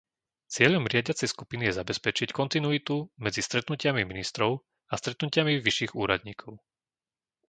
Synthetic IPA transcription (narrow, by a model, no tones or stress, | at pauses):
t͡sɪɛʎɔmɾɪaɟɪat͡sɛjskupinijɛzabɛspɛt͡ʃickɔnt̪inuit̪umɛd͡zist̪ɾɛt̪nucɪamiminist̪ɾɔʊ | ast̪ɾɛt̪nucɪamiʋiʃiːɣuːɾa̰d̪ɲiːkʰɔʊ